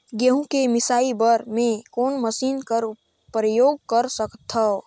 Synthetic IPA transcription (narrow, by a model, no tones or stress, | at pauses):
ɡeɦũkemisaːibəɾmekonməsinkəɾ | pɾəjoɡ̚kəɾsəkt̪ʰə